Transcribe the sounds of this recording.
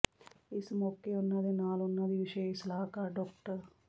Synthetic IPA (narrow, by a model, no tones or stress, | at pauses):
ɪsmoːkːeːʊnːãːd̪eːnaːlʊnːãːd̪iːʋɪʃeɪslaːkaːɖɔːkʈəɾ